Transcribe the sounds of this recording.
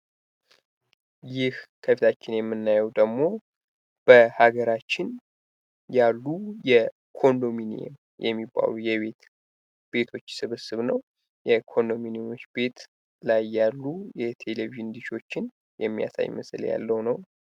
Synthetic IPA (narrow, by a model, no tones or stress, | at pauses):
jɪhkʰəfit̪ʰat͡ʃːɪnjɛmːɨnːajɛwd̪əɡmo̞ | b̥əhaɡəɾat͡ʃːɪn | jalːujɛ | kʰo̞nd̪o̞minḭḛm | jʔɛ̰mːibːa̰lujɛβe̞t̪ | b̥e̞t̪ʰo̞t͡ʃːsɨβɨsɨβnəw | jɛkʰo̞nd̪o̞minijo̞t͡ʃːbe̞t̪ | lajːalːujɛt̪ʰe̞leviʒɪnd̪ɨʃo̞t͡ʃːɪn | jɛmːija̰sa̰jməslja̰lːəwnəw